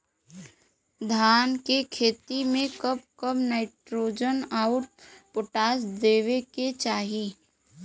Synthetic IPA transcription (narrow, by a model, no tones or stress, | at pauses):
d̪ʱaːnkekʰeːt̪imẽkəp̚kəbnaːɪʈɾoːd͡ʒənaːʊʈ̚poʈaːsd̪eːʋeket͡ʃaːɦi